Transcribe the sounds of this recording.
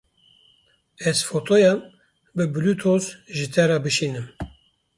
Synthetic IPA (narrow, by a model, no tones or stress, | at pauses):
ɛzfot̪ʰojɑm | bɨbɨlut̪ʰozʒɨt̪ʰɛɾɑbɨʃiːnɨm